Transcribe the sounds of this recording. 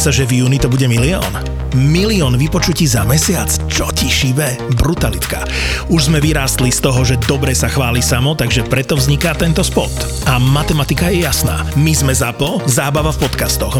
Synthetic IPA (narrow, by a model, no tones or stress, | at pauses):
saʒɛvjuːnit̪ɔbuɟɛmiliɔ̰ːn | miliɔːnʋipɔt͡ʃuciːzamɛsɪat͡st͡ʃɔciʃiʋɛ | bɾut̪alit̪ka̰ | uʒzmɛʋiɾaːst̪list̪ɔɦɔʒɛd̪ɔbɾɛsaxʋaːlisamɔt̪aɡʒɛpɾɛt̪ɔvzɲikat̪ɛnt̪ɔspɔ̰t̪ | amat̪ɛmat̪ikajɛjasna̰ːmizmɛzapɔzaːbaʋafpɔt̪kast̪ɔx